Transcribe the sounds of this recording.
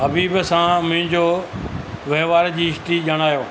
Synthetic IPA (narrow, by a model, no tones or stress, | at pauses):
ɦɐbiːbsãmʊ̃ɦɪ̃ɲd͡ʑoː | ʋeːʋaːɾd͡ʑiːɪʃʈ̪iʄɐɽ̃aːjoː